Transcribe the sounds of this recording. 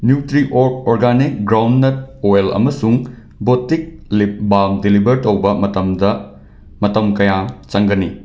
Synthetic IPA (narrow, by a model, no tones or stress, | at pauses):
njutɾiʔoɾk̚oɾɡanik̚ɡɾawndːet̚oelɐ̰mɐsuŋ | botik̚libamdilibʱɐɾtowbɐmɐtɐmdɐ | mɐtɐmkɐjat͡ʃɐŋɡɐni